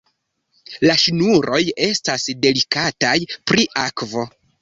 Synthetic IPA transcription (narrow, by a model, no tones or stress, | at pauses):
laʃinuɾʔo̞je̞stasde̞likatajpɾiʔakvo̞